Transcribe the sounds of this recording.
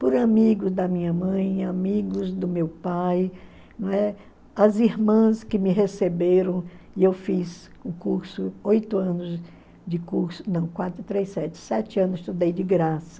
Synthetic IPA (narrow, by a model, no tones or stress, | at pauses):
pʊɾamiɡʊzd̪ɐmĩɲɐmɐ̃j̃amiɡʊzd̪ʊmewpaj | ñɛ | ɐziɾmɐ̃skɪmɪɦesebeɾɐ̃w̃ | ɪewfiz | ʊkuɾsʊojt̪ʊɐ̃nʊz | d͡ʒɪkuɾsʊ̥nɐ̃w̃kwat̪ɾʊt̪ɾesɛt͡ʃɪ̥sɛt͡ʃɪɐ̃nʊst̪ud̪ejd͡ʒɪɡɾasɐ̥